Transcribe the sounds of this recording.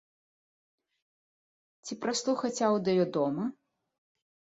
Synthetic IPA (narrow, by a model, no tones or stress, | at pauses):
t͡sʲipɾaslˠuxɐt͡sʲawd̪ɐjɔd̪ɔmɐ